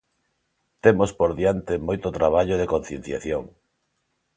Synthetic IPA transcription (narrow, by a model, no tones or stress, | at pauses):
t̪emospoɾðjant̪ɪmojt̪ot̪ɾaβ̞aʎoðekon̟θjen̟θja̰θjoŋ